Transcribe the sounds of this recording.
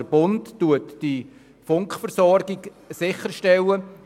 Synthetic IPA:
əbʊntːuətd̥i | fʊŋkχfəɾsɔɾɡɪɡ | sɪχəɾʃtɛlə

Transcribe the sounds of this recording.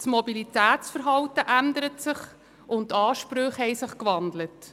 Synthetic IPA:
smɔbilitæːtt͡sfəɾɦɑwtəʔændəɾətsɪχ | ʔʊntːɑːʃpɾøχhɛɪsɪχkvɑndlət

